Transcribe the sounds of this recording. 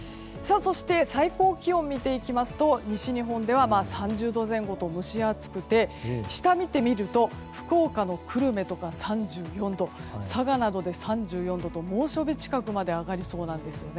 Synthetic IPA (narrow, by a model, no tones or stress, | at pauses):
saːso̞ɕi̥t̪e̞saiko̞ːkʲiõ̞mʲːit̪e̞ikʲimasɨ̥t̪o̞ɲ̟iɕiɲ̟iɦõ̞nd̪e̞βamaːsãɲd͡ʑɨːd̪o̞zẽ̞ŋɡo̞t̪o̞mɯ̟ɕiat͡sɨ̥kɯ̟t̪e̞ɕi̥t̪amʲit̪e̞mʲiɾɯ̟t̪o̞ | ɸɯ̟̥ko̞ːkano̞kɯ̟ɾɯ̟me̞t̪o̞kasãɲd͡ʑɨːjõ̞nd̪o̞saɡanad̪o̞d̪e̞sãɲ̟d͡ʑɨːjõ̞nd̪o̞t̪o̞mo̞ːɕo̞bʲit͡ɕi̥kakɯ̟mad̪e̞aɡaɾʲiso̞ːnãnd̪e̞sɨjo̞ne